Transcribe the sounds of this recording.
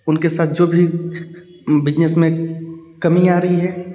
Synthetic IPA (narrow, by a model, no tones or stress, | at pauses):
ʊnkesaːt̪̚ʰd͡ʒoːbʱi | bɪd͡ʒnəsmẽkɐmĩaːɾɐɦiɦɛː